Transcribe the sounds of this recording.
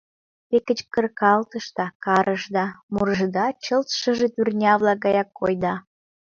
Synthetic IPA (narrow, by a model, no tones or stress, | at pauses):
t̪ekət͡ɕkərkɑlt̪əʃt̪ɑkɑɾəʃd̪ɑmuɾəʒəd̪ɑt͡ɕəlt̪ʃə̆ʒet̪yrnʲɑβlɑk̚ɡɑjɑkːo̰jd̪ɑ